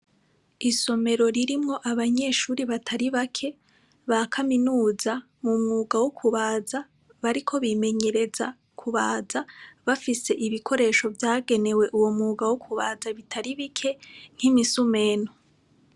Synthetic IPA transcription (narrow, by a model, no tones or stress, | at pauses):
iso̞me̞ɾo̞ɾiɾimŋo̞ʔaβaɲe̞ːʃuːɾiβatʰaɾiβakʰe̞ | βakʰaminuːza | mumŋuːɡawokʰuβaːza | βaɾikʰo̞βime̞ɲe̞ɾe̞za | kʰuβaːzaβafise̞ʔiβikʰo̞ɾe̞ːʃo̞vjaːɡe̞ne̞weʔuwo̞mŋuːɡawokʰuβaːzaβitʰaɾiβikʰe̞ŋ̥himisume̞no